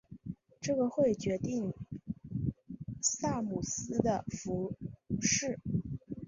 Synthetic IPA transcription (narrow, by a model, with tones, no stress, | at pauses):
ʈ͡ʂɤ˥˩ɡə˩xwe˥˩ɪt͡ɕɥɛ˧˥t̪i˥˧ŋ | sa˥˩mu˨˩sɹ̩˥d̪ə˨fu˧˥ʂɻ̩˥˩